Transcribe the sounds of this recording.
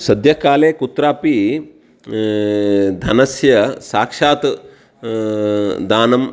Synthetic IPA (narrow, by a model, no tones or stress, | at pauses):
sɐd̪jɐkaːleːkut̪ɾaːpi | d̪ʱɐnɐsjɐsaːkʂaːt̪ | d̪aːnɐm